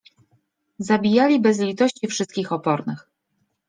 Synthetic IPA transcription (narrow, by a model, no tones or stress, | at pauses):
zabʲijalʲibɛzlʲit̪ɔɕt͡ɕifʂɘst̪̚kʲixɔpɔɾnɘ̰x